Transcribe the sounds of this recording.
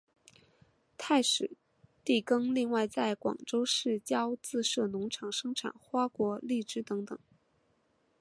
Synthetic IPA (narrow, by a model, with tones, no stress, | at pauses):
t̪ʰa˥˩ɪʂɻ̩˨˩˦ | t̪i˥˩kɤ˥ŋli˥˧ŋwa˥˧ɪt͡sa˥˩ɪkwɑ̰˨˩ŋʈ͡ʂo˥ʊʂɻ̩˥˩t͡ɕjɑ˥ʊt͡sɹ̩˥˧ʂɤ˥˩nʊ˧˥ŋʈ͡ʂʰɑ˧˥ŋʂɤ˥ŋʈ͡ʂʰa̰˨˩˦nxwa˥kwɔ˧˥li˥˩ʈ͡ʂɻ̩˥t̪ɤ˧˥ŋt̪ɤ˨˩˦ŋ